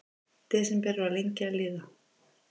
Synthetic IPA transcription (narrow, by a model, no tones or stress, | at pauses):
t̪ɪðsɛmpɛɾʏalejɲcɪalɪːða